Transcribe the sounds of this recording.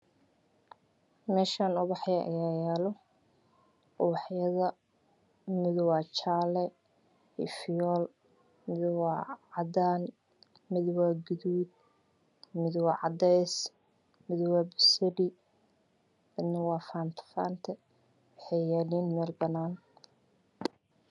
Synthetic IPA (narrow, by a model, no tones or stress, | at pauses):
mɛːʃaːnʊβɑħjɛʔɐ̰jaːjɛːlɔ | ʊwɑħjɐðɐ | mɪðwaːt͡ʃaːlɛ | ḭfijɔːl | mɪðwaːʕɑd̪aːn | mɪðwaːɡʊðuːd̪̚ | mɪðwɑːʕɑd̪ɛs | mɪðwaːbɪsɛɖi | bɐnɪwɑːfaːnt̪ʰfa̰ːnt̪ʰɛ | wɑħɛjaːliːnmɛːlbɐnaːn